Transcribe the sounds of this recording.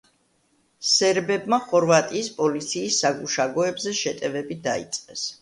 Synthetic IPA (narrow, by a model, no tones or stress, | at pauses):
sɛɾbɛbmaχɔɾvat̪ʼiːspʼɔlit̪sʰiːsːaɡuʃaɡɔɛbzɛʃɛt̪ʼɛvɛbid̪aḭt̪sʼqʼɛs